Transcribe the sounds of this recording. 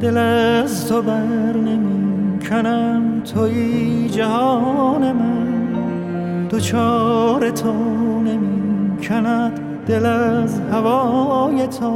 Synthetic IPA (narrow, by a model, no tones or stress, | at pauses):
d̪̥elæzt̪ʰobæɾne̞mikʰænæmt̪ʰojid͡ʒæɦɒːnemæn | d̪̥ot͡ʃʰɒːɾet̪ʰone̞mikʰænæd̪̥ | d̪̥e̞læzhævɒːjet̪ʰo